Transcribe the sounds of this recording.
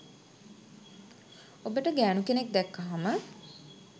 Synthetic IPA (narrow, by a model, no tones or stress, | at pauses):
obəʈəɡæːnukenek̚d̪ɛkːaɦamə